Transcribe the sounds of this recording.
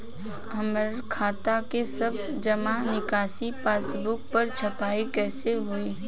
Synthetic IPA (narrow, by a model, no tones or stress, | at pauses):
ɐməɾ | kʰaːt̪akesɐb | d͡ʒɐmanɪkaːsipaːsbʊk̚pɐɾt͡ʃʰɐpaːikɛːseɦʊiː